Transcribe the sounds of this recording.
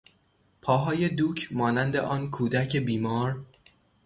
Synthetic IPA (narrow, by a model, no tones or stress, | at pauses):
pʰɒːɦɒːje̞d̪uːcʰmɒːnænd̪e̞̰ʔɒːnkʰuːd̪æcʰe̞biːmɒːɾ